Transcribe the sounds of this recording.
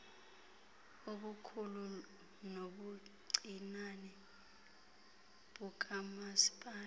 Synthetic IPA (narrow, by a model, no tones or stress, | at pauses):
oɓukʰulu | noɓuǀinanɛ | ɓuk̬ʼamasi̥pʼaː